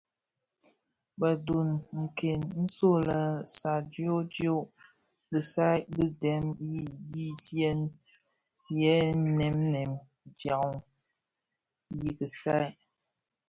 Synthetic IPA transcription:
ba˨du˨nŋ̩˨ke˨nn̩˦so˦˨la˨sa˨d͡ʒi˦o˦d͡ʒi˦o˦˨ | lɨ˨sa˦jbɨ˦dɛ˨˦mji˦ji˦sjɛ˦n | jɛ˦nɛ˨˦m˦nɛ˨m | d͡ʒa˨u˦ | ji˨kɨ˨sa˦˨

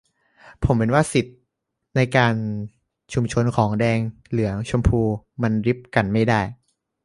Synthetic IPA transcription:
pʰo˩˦mhɯ˩˦nwaː˥˩si˨˩t̪̚ | na˧jkaː˧n | t͡ɕʰu˧mt͡ɕʰo˧nkʰɔː˩˦ŋdɛː˧ŋ | lɯ˩˦ɐt͡ɕʰo˧mpʰuː˧ma˧nɾi˦˥p̚ka˧nma˥˩jdaː˥˩j

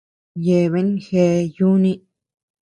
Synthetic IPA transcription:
je˧˨βe˦nxe˧ju˦nĩ˦

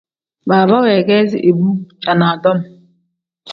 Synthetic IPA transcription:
ba˨ba˦we˨ɡe˦zi˦ʔe˨bu˦t͡ʃa˨na˨dɔ˦m̩˦

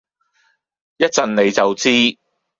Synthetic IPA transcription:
jɐ˥t̚t͡sɐ˨nne˨˧jt͡sɐ˨wt͡siː˥

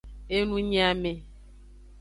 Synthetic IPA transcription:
e˦nũ˦ɲ˦a˨me˨

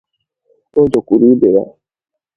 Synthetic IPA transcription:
o˦d͡ʒo˨kʷu˨ɾi˦be˨ja̰˦

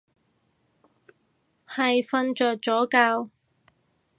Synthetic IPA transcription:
hɐ˨jfɐ˧nt͡ʃœː˨k̚t͡sɔː˨˥kaː˧w

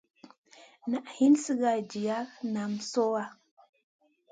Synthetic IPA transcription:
na˨ʔhi˦nsi˦ɡa˨d͡ʒi˨ja˦na˨mso˦wa˦

